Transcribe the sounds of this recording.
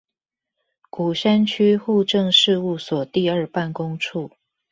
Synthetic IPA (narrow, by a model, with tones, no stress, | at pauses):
ku˨˩ɕa˥nt͡ɕʰy˥xu˥˧ʈ͡ʂɤ˥˧ŋʂɻ̩˥˧u˥˩swɔ˨˩t̪i˥˧ə˞˥˧pa˥˩nkʊ˥ŋʈ͡ʂʰu˥˩